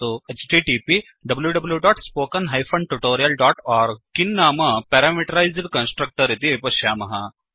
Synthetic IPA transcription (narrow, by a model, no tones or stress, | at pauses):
oet͡ʃʈiːʈipi | ɖɐbəljuɖɐbljuɖɔːʈspoːkɐnɦajfɐɳɖʈuʈoːɾijɐlɖɔːʈɔːɾɡ̚kːinːaːmɐpɛɾamiʈɐɾajzɽkɐnsʈɾɐk̚ʈəɾit̪iepɐʃjaːmɐɦa